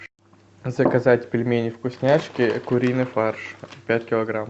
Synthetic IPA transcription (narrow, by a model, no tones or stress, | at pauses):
zəkɐzatʲpʲɪlʲmʲenʲɪfkʊsʲnʲaʂkʲɪkʊɾʲinɨfarʂpʲætʲkʲɪlˠɐɡɾam